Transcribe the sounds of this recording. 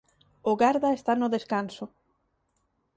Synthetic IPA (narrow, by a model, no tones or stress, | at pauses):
ʊɣaɾðaest̪anʊðeskansʊ